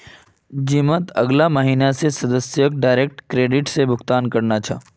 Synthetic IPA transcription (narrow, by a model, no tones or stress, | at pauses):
d͡ʒimət̪ɐɡlaməɦiːnasesɐd̪əsjək̚ɖaːɪɾek̚ʈkɾeːɖɪʈsebʊxt̪aːnkɐɾnat͡ʃʰa̰